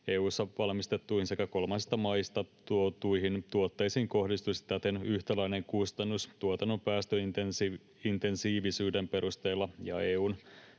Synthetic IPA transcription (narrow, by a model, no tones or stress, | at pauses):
eːuːsːɑʋɑlmist̪e̞t̪ːuihinsekæko̞lmɑnsist̪ɑmɑjst̪ɑt̪uot̪uiɦint̪uot̪ːejsiːŋko̞hdist̪usit̪æt̪enyht̪ælæine̞ŋkust̪ɑnːust̪uot̪ɑnːo̞mpæːst̪øit̪ensi | int̪e̞nsiːʋisyːde̞mpe̞ɾust̪e̞ːlːɑjɑ̰eːuːn